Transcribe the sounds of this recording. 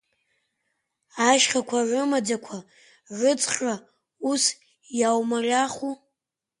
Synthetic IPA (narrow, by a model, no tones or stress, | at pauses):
aʃχʲakʷʰaʕʷʊmad͡zakʷʰa | ʕʷɨt͡sʼχra | us | jawmarʲaχu